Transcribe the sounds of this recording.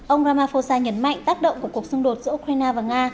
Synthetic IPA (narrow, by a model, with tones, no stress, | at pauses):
ʔə˧wŋ͡mɾaː˧maː˧fo˧saː˧ɲə˨˦nma̰˧˨jŋ̟t̪aː˦˥k̚ɗə̰˧˨ŋ͡mku˧˩ku˨˩ək̚sʊ˧ŋ͡mɗo˨˩t̚z̥ɨ̰˧˥˦ʔu˧k̚ɾa˧jnaː˧vaː˨˩ŋaː˧